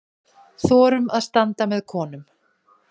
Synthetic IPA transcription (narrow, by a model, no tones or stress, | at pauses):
θɔːɾʏmaðst̪ant̪amɛðkʰɔːnʏm